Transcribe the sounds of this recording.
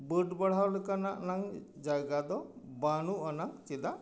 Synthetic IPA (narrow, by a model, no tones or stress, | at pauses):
bəɖbəɽ̤awlekanaʔnaŋd͡ʒaɡad̪ɔbanuʔanaŋt͡ʃid̪a